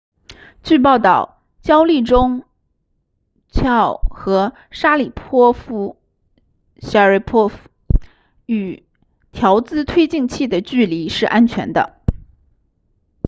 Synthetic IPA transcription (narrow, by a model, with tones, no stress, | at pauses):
t͡ɕy˥˧p̬ɑ˥˧ʊt̪ɑ˥˩ʊ | t͡ɕjɑ˥ʊli˥˩ʈ͡ʂʊ˥ŋ | t͡ɕɑ˥˩ʊxɤ˧˥ | ʂa˥li˨˩pʰwɔ˥fu˥ | ɕa˧˥ə˥˧˩pʰɔ˥f | y˨˩ | t̪ʰjɑ˧˥ʊt͡sɹ̩˥t̪ʰwe˥ɪt͡ɕi˥˧ŋt͡ɕʰi˥˩d̪ə˩t͡ɕy˥˩li˧˥ʂɻ̩˥˩ʔa˥nt͡ɕʰɥɛ̰˧˥nd̪ə̰˧